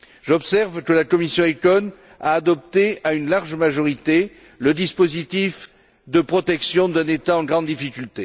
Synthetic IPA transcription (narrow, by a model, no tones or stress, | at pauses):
ʒɔbsɛʁvkəlakɔmisjɔ̃ekɔn | aːd̪ɔp̚t̪eaynlaʁʒmaʒɔʁit̪e | ləd̪ispozit̪if | d̪əpχɔt̪ɛksjɔ̃d̪ɛ̃net̪aɑ̃ɡʁɑ̃d̪d̪ifikʲylt̪e